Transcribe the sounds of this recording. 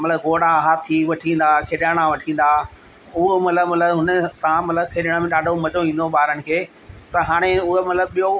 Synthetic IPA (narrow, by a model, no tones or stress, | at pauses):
mɐt̪ləbɡoːɽãɦaːt̪ʰːiʋɐʈʰĩːn̆d̪akʰeːɗaːɽ̃ãʋɐʈʰĩːn̆d̪aː | ʊɦomɐt̪ləbmɐt̪ləbɦʊnəsãmɐt̪ləbkʰeːɗɽ̃ãmẽɗaːɖʱomɐt͡ʃoĩːnd̪oɓaːɾəɽ̃̆kʰeː | t̪ɐɦaːɽ̃eʊɦemɐt̪ləbɓijo